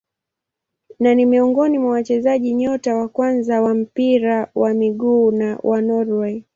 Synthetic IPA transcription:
nanimiuŋɡɔnimwawat͡ʃɛzaʄiɲɔtawakwanzawam̩piɾawamiɠuːnawʔanɔɾwɛ

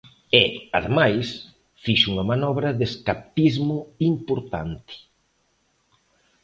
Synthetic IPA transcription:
ɛaðemajs | fiʃuŋɐmanɔβɾɐðeskap̚t̪izmʊimpoɾt̪a̰nt̪ɪ̥

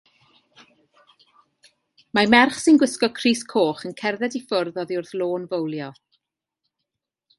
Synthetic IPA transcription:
mamɛrχsɪnɡwɪskɔkʰriːskʰoːχənkʰɛrðɛdifʊrðɔðiʊrθlˠoːnvəwlˠjɔ

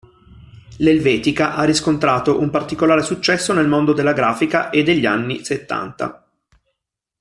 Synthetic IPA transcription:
lelvɛːt̪ikaʔarːiskont̪ɾaːt̪oʔumpart̪ikolaːɾesut͡ʃːɛsːonelmond̪od̪elːaɡɾaːfikaʔed̪ːeʎːia̰nːiset̪ːa̰nt̪a̰

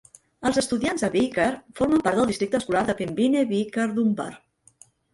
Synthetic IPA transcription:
əlˠzəst̪uðianzəβikəɾfoɾməmpaɾt̪d̪əlˠd̪ist̪ɾikt̪əːskulaɾðəpembineβikəɾðumba̰r

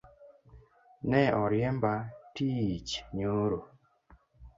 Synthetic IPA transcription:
nɛɔɾjɛmbatiit͡ʃɲoɾo

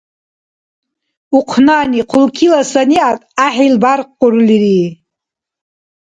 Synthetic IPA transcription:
uqʷʰnaniqʰʊlkʰilasaniatʼaħilbarqːʊrliɾi

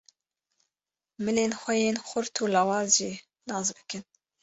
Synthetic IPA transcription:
mɨleːnxʷɛjeːnxʊɾt̪ʰuːlɑːwɑːzʒiː | nɑːzbɨkʰɨn

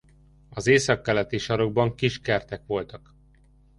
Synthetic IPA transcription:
ɒzeːsɒkːɛlɛt̪iʃɒɾo̞ɡbɒŋkiʃkɛrt̪ɛkʋo̞lt̪ɒk

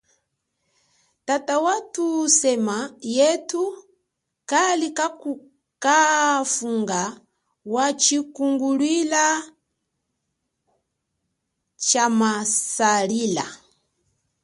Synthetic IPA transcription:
tatawatusɛmajɛtu | kalikau | kafuŋɡa | wat͡ʃikuŋɡulwila | t͡ʃamasalila̰

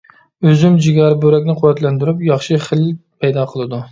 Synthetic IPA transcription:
øzymd͡ʒiɡʲɑɾbøɾɛkʲnɪqʰʊwæt̪lænd̪yɾypjɑχʃɨχəlpʰæjd̪ɑqʰəlˠɨd̪u

